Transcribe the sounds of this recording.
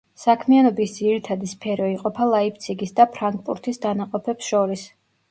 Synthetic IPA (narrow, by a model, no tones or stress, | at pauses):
sakʰmianɔbisd̪ziɾit̪ʰad̪ispʰɛɾɔiqʼɔpʰalˠaip̚t̪sʰiɡisd̪apʰɾaŋɡ̚pʼṵɾt̪ʰisd̪anaqʼɔpʰɛpsʃɔɾis